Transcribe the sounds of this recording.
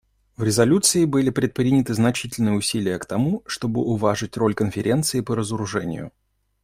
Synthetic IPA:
vɾʲɪzɐlʲut̪sɨɪbɨlʲɪpɾʲɪt̪̚pɾʲinʲɪt̪ɨznɐt͡ɕitʲɪlʲnɨjəʊsʲilʲɪjəkt̪ɐmuʂt̪o̞bɨʔʊvaʐɨtʲro̞lʲkənfʲɪɾʲʔe̞nt̪sɨɪpəɾəzəɾʊʐɛ̰nʲɪ̰jʊ̰

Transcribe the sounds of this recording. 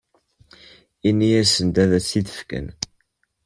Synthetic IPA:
inːiæsənd̪æðæsiðə̥fkə̰n

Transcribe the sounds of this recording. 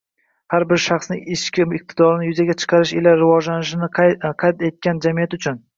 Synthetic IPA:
haɾbɪɾʃɑχsnɪŋɪʃkʲʰɪɪq̚t̪ʰɪd̪ɒɾɪnɪjʊzaɡʲat͡ʃʰɨ̥qʰɑɾɪʃelaɾɪvɒd͡ʒlanɪʃ̬ɪnɪqʰɑjt̪e̞t̪̚kʲand͡ʒamijat̪ʊt͡ʃʰʊn

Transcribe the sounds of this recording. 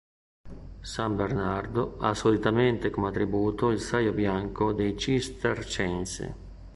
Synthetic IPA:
sambeɾnard̪oa̰solit̪ament̪ekomat̪ːɾibuːt̪oilsajobjaŋkod̪ejt͡ʃist̪ert͡ʃɛnsḛ

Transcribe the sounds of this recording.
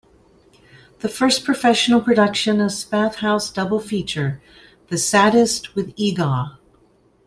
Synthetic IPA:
ðɨfɜ˞spʰɹ̥ɨfɛʃn̩l̩ˠpʰɹ̥ɨdʌkʃɨ̃nɨz̥spæθhaʊsd̥ʌbl̩ˠfit͡ʃə˞ | ðɨsæɾɨst̚wɨðiɡɑ

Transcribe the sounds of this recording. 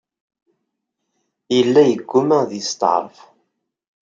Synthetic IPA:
jəlːæjəɡːumæðjəst̪ə̰ʕ̰ɾˤf

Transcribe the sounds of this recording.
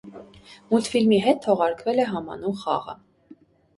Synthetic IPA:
mut̪filmiɦɛt̪̚t̪ʰɔʁɑɾkʰvɛlɛɦɑmɑ̰numχɑ̰ʁə̰

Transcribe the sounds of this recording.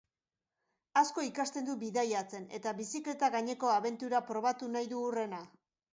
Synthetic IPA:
asko̞ikast̪e̞nd̪ubiðajat͡se̞ne̞t̪aβisikle̞t̪aɣaɲe̞ko̞aβe̞nt̪uɾapɾo̞β̞at̪unajðuːre̞na

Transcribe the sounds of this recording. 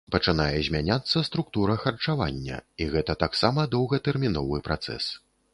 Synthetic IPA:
pɐt͡ʂɨnajɛzʲmʲanʲat̪sːɐst̪ɾuk̚t̪uɾɐxɐrt͡ʂava̰nʲːɐ̰iɣɛt̪ɐt̪aksamɐd̪ɔwɣɐt̪ɛrmʲinɔvɨpɾa̰t̪sɛ̰s

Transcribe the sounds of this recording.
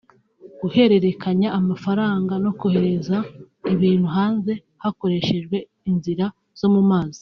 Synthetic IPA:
ɡuhe̞ɾe̞ɾe̞kʰaɲaːmafaɾaːŋɡano̞kohe̞ɾe̞za | iβiːn̥huɦaːnze̞ | hako̞ɾe̞ʃe̞ʒɡwe̞ | inziɾa | z̥o̞mumaːzi̥

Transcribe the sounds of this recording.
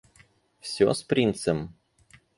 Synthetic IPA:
sʲoːspɾʲint̪sʲɛm

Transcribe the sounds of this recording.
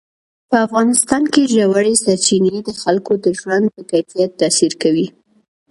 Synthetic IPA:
pəafɣɑnɪst̪ɑnkeʒawaɽesɑt͡ʃined̪əxalkod̪əʒwand̪̚pəkajfijat̪ːɑsiɾkawi

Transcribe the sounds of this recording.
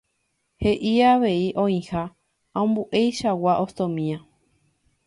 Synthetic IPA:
heʔiaʋe̞iʔõĩha | aõmbuʔejʃawaʔost̪õmĩã

